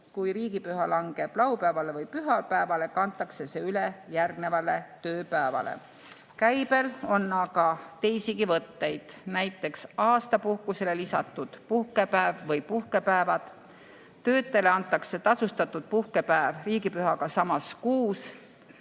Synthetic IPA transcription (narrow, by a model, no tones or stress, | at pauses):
kujriːɡipyhɑlɑŋɡ̥e̞b̥lɑwpæevɑle̞vɯjpyɦɑlpæevɑle̞kɑnt̪ːˑɑkse̞se̞ylejærɡne̞vɑle̞t̪ø̞ːpæevɑ̰lḛ | kæjb̥e̞lo̞nːɑkɑt̪e̞jsiɡivɤt̪ːe̞jd̪̥næjt̪ːˑe̞ksɑːst̪ɑpuhkuse̞le̞lisɑ̰t̪ˑːud̪̥puhke̞pæevvɤjpuhke̞pæevɑd̪̥ | t̪ːø̞ːt̪ːe̞le̞ɑnt̪ːˑɑkse̞t̪ɑsust̪ɑt̪ːˑud̪̥̚puhke̞pæevriːɡipyɦɑɡ̥ɑsɑmɑskuːs